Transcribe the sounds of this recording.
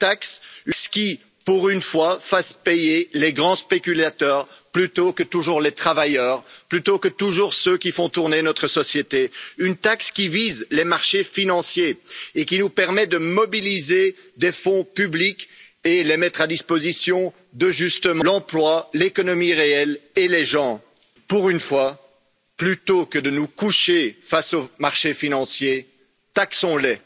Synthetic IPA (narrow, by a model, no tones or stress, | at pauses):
t̪aksyskʲi | puʁynfwafaspejeleɡʁɑ̃spekʲylat̪œːʁplyt̪okət̪uʒuʁlet̪χavajœːʁplyt̪okət̪uʒuʁsøkʲifɔ̃t̪uʁnenɔt̪χəsɔsjet̪eynt̪akskʲivizlemaʁʃefinɑ̃sjeːkʲinupɛʁmɛd̪əmɔbilized̪efɔ̃pyblik | elemɛt̪χad̪ispozisjɔ̃ | d̪əʒyst̪əmɑlɑ̃plwalekɔnɔmiʁeɛleleʒɑ̃ | puʁynfwa | plyt̪okəd̪ənukuʃefasomaʁʃefinɑ̃sje | t̪aksɔ̃lɛ